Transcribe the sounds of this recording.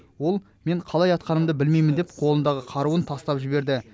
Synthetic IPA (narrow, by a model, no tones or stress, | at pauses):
wo̞lˠ | me̞ɴqʰɑlˠɑjɑt̪̚qɑnəmd̪əbɪlme̞jmɪnd̪ep̚qʰo̞lˠənd̪ɑʁəqʰɑɾuənt̪ʰɑst̪ɑpʒɪbe̞ɾd̪ɪ